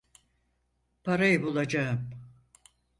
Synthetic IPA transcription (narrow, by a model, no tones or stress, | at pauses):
paɾajɯbulˠad͡ʒaɯm